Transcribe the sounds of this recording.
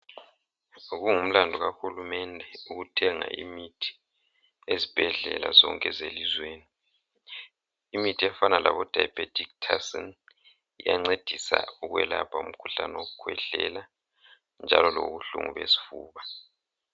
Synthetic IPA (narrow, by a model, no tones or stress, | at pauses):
ɣuŋum̩landʱuɣaxulumɛndʱɛuɣutʰɛŋa̰ʔimitʰi̥ | ezib̥ʱɛɮɛla̰zɔŋkʼɛzelizweːni | imitʰiɛfanalʔaβɔd̥ʱajpʼetʰʼik̚tʰasɔn | ija̰ŋ͡ǀed̥ʱisa̰uɣwɛlapʰaum̩kʰuɬanoɣukʰwɛɮɛla | nd͡ʒʱalɔlo̰ɣuɬṵŋṵβesi̥fuːβa